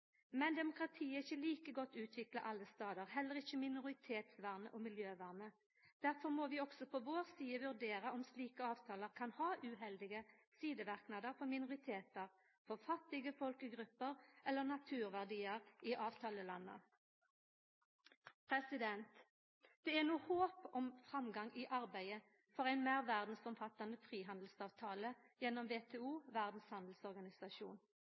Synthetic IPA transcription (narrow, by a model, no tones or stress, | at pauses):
mɛnd̪ɛmʊkɾɑt̪ʰiːəɪçəliːkəɡɔt̪ːʉːt̪ʰʋɪklɑʔɑlːəst̪ɑːd̪əʁhɛləʁɪçəmɪnʊʁɪt̪ʰeːt̪sʋæʁnə̰ʔoːmɪljøːʋæʁnə | d̪̥æʁfɔʁmoːʋiːɔɡsɔpʰɔʋoːʁsiːəʋʉʁd̪eːɾəɔmsliːkəɑːʋt̪ʰɑːləʁkʰɑnhɑːʔʉːɦɛld̪ɪɡəsiːd̪əʋæʁknɑːd̪əʁfɔʁmɪnʊʁɪt̪ʰeːt̪əʁ | fɔʁfɑt̪ːɪɡəfɔlkəɡʁʉpːəʁʔɛlːəʁnɑt̪ʰʉːʁʋæʁd̪iːəʁiːʔɑːʋt̪ʰɑːləlɑnːə̰ | pʰʁɛsɪd̪ɛnt̪ | d̪̥ɛːæʁnuːhoːpɔmfʁɑmɡɑŋʔiːʔɑʁbæɪə | fɔʁæɪnmæːʁʋæʁd̪n̩sɔmfɑt̪ːɑnəfʁiːɦɑnd̪l̩sɑːʋt̪ʰɑːləjɛnːɔmʋeːt̪ʰeːuːʋæʁd̪n̩shɑnd̪l̩sɔʁɡɑnɪsɑʃṵːn